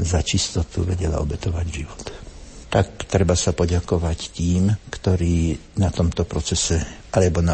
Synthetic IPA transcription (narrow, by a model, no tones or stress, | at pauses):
zat͡ʃist̪ɔt̪uʋɛɟɛla̰ɔbɛt̪ɔʋaɟʒiʋɔt̪t̪akt̪ɾɛbasapɔɟakɔʋact̪iːmkt̪ɔɾiːnat̪ɔmt̪ɔpɾɔt͡sɛsɛʔalɛbɔna